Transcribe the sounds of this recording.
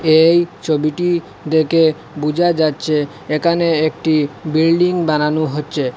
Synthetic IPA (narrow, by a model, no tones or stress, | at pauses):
ejt͡ɕʰobiʈi | d̪eke | bud͡ʑʱad͡ʑatːɕʰe | ekʰaneekʈibilɖiŋbananuɦotːɕʰe